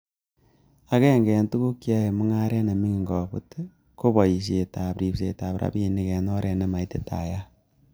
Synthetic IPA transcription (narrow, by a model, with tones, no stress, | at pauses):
a˦kɛ˦˨ŋɡɛ˨ntu˦ku˦kja˦e˨mʊ˦ŋa˦ɾɛ˦ne˨mi˦ŋi˨ŋɡɔ˨pṵ˦t | ko˦bɔ˨ji˨ʃ̬e˨ta˨pɾi˨pse˨ta˨pɾa̰˨bi˦˨ni˨kɛ˨nɔ˦ɾɛ˨nɛ˦ma˨i˦te˦ta̰˨ja˦